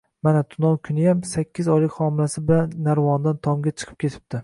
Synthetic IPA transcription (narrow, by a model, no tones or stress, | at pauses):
manat̪ʰʊnɒwkʰʊnɪjamsakʲʰːɪzɒjlɪkʲχɒmɪlasɪbɪlanːaɾvɒnd̪ant̪ʰɒmɡʲat͡ʃʰɨ̥qʰɨ̥p̚kʲʰe̞t̪ʰɪ̥p̚t̪ʰɪ